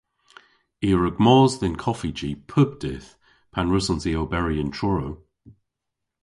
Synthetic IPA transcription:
iːɹəɡmɔːzðɪnkʰɔfid͡ʒipʰəb̚d̥ɪθ | pʰanɹʉsɔ̃nziowbɛɹiəntt͡ʃʰɹɔɹow

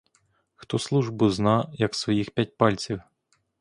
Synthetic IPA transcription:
xt̪ɔslˠuʒbʊznɑjɐksʋɔjixpʲjat̚ʲpɑlʲt͡sʲiw

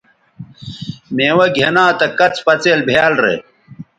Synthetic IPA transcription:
meːwɐɡʱenãːt̪ɐkɐt͡spɐt͡seːlbʱaːlɾḛ

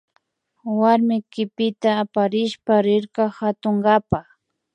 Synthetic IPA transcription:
waɾmɪkɪpɪt̪aːpaɾɪʃpaɾɪɾkɑhat̪oŋɡapax

